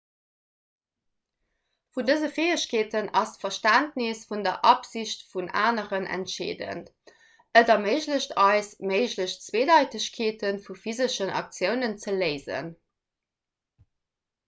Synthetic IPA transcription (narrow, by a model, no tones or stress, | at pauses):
fundəzəfeːəɕkʰeːtənɑstfɐʃtæntnisfundɐʔɑpz̥iɕtfuna̰ːnəʁənʔæ̰ntʃḛːdə̰nt | ʔədɐməɪʑləɕtʰɑɪsməɪʑləɕt͡sweːdɑɪtəɕkʰeːtənfufizəʃənɑ̰k̚t͡sjəʊnənt͡sələɪzə̰n